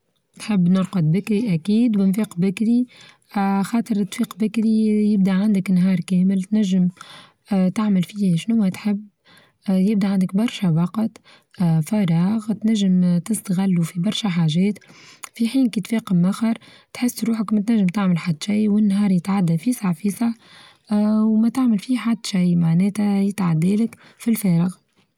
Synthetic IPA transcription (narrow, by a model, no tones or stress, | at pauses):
t̪ħɪbːnɪɾˤqɑd̪̚bɪkɾiʔækiːd̪wɪnfiːqbɪkɾi | xɑːt̪ˤɨɾt̪ːfiːqbɪkɾijɪb̚d̪aʕand̪ɪknɦɑːɾˤkɛːmɪlt̪næʒːɪm | t̪aʕmɪlfiːhʃnʊwːɛt̪ħɪbː | jɪb̚d̪iʕand̪ɪkbɑɾˤʃæwɑqt̪ | fɑɾˤɑːɣt̪næʒːɪmt̪ɪst̪aɣɪlːufibɑɾˤʃaħaːʒɛːt̪fiħiːnkiːt̪fɛːqəmːaxɑɾˤ | t̪ħɪsːɾuːħakmæt̪næʒːɪmt̪aʕmɪlħad̪ːʃijwɪnːɦɑːɾˤjɪt̪ʕad̪ːafiːsaʕfiːsɑʕ | wmɛt̪aʕmɪlfiːħad̪ːʃijmaʕnɛːt̪æjɪt̪ʕad̪ːɛːlɪkfilfɛːɾɑɣ